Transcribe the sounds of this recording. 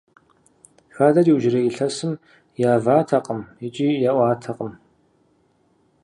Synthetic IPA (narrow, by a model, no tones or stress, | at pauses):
xaːdɐriwʒɪrɐiɬɐsɨm | jaːvaːtʰɐqʼəmjɪt͡ʃʼiːjaʔʷaːtʰɐqʼəm